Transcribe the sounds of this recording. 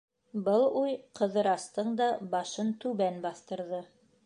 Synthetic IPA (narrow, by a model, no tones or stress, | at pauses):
bɤlˠujqɤ̆ðɤ̆ɾɑst̪ɤɴd̪ɑbɑʃɤnt̪ʉβænbɑθt̪ɤ̆ɾðɤ